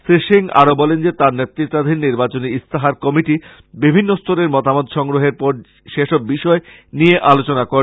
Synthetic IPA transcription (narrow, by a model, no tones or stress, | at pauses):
seʃeŋa̰ɾobɔlend͡ʑet̪aɾnet̪ːɾit̪ːad̪ʱinːiɾbat͡ɕoniist̪aɦaɾkɔmiʈi | bibʱinːost̪ʰoɾeɾmɔt̪amod̪ʃɔŋɡɾoɦeɾpɔɾ | ʃeʃɔbːiʃɔe | nijeʔalot͡ɕonako